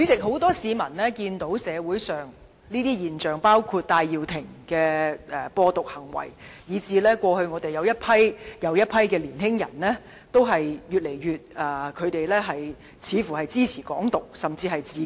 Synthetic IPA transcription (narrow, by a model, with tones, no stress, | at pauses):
y˨˥t͡sɪ˨k̚ɦo˨˥wt̪ɔː˥siː˨˧mɐ˨˩nlɛː˥kiː˧nt̪o˨˥wsɛː˨˧wuː˨˥jsœː˨˩ŋ | niː˥t̪iː˥jiː˨nt͡ʃœː˨˩ŋpaː˥wkʰuː˧t̚t̪aː˧jːiː˨wt̪ʰɪ˨˩ŋkɛː˧ɛ˨pɔː˧t̪ʊ˨k̚hɐ˨˩ŋwɐ̰˨˩jjiː˨˧t͡siː˧lɛː˥kʷɔː˧hɵ˧ɥŋɔː˨˧t̪e˨jɐ˨˧wjɐ˥t̚pʰɐ˥jjɐ˨˧wjɐ˥t̚pʰɐ˥jkɛː˧liː˨˩nɦɪ˥ŋjɐ̰˨˩nlɛː˥ | t̪o˥wɦɐ˨jjyː˨˩t̚le˨˩jɥyː˨t̚ɐː˨˩kʰɵ˨˧ɥt̪e˨jlɛː˥ɦɐ˨j | t͡sʰiː˨˧fuː˨˩hɐ˨jt͡siː˥t͡sʰiː˨˩kɔ̰ː˨˥ŋt̪ʊ˨k̚sɐ˨mt͡siː˧ɦɐ˨jt͡siː˧